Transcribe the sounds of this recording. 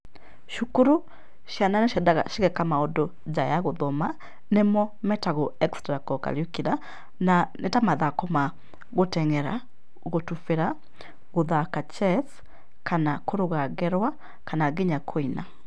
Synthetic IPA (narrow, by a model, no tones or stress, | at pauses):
ʃukuɾu | ʃjananeʃɛdaɣaʃiɣɛkamaodo | d͡ʒajaɣoðɔma | nemɔmɛtaɣoɛkstɾakɔka̰ɾjokiɾa | nanetamaðakɔma | ɣotɛŋɛɾa | ɣotufeɾa | ɣoðakat͡ʃɛθ | kanakoɾoɣaɣɛɾwa | kanaɣeɲakʰoina